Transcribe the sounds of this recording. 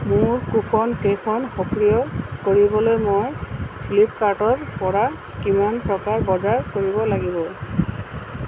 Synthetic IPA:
muɹkupʰɔnkejkʰɔnxɔkɹijɔkoɹibɔlojmojsʰilip̚kaɹʈɔɹpɔɹa | kimanpɹɔkaɹbɔzaɹkoɹibɔlaɡibɔ

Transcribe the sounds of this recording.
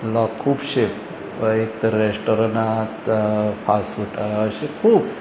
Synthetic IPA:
lɔkʰːubʃep | ekt̪ɾesʈɔɾna | pʰasfuʈəʃekʰuːb

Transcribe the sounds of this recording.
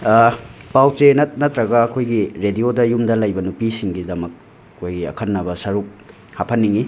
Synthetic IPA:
pawt͡ʃenɐtnɐtɾɐɡɐːkʰojɡiɾediodɐjumdɐlɐjbɐnupisiŋɡidɐmɐk̚ | ɐkʰojɡiɐ̰kʰɐnːɐbɐsɐɾuk̚ | hapʰɐnːiŋi

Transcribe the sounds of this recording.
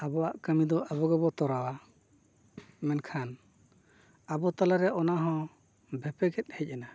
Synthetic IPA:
abɔwaʔkamid̪ɔʔabɔɡɛbɔt̪ɔɾawa | mɛnkʰan | abɔt̪alaɾɛʔɔnaɦɔ̃ | bʱɛpɛɡɛt̪̚ˀhɛc̚ˀɛna

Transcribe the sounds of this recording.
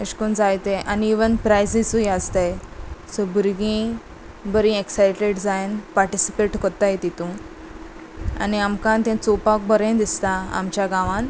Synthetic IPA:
əɕkund͡zajt̪eʔaniːʋənpɾajsisujast̪ajsɔbuɾɡĩ | bəɾĩeksajʈeɽd͡zajenpaɾʈisipeʈkɔɾt̪ajet̪it̪ũ | a̰niamkãnt̪ẽt͡sopak̚bəɾẽd̪ist̪aa̰mt͡ɕjaɡãʋãn

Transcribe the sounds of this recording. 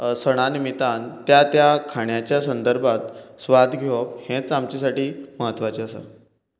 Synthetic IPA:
səɽ̃animit̪ant̪jat̪jakʰaɳjat͡ɕjasənd̪əɾbʱat̪sʋad̪ʱɡʱeophẽt͡samt͡ɕisaʈiːməɦət̪ːʋat͡ɕiəsa̰

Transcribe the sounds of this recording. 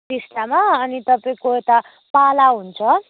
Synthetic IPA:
ist̪amaʌnit̪ʌpaĩkoet̪a | palaɦunt͡sʰʌ

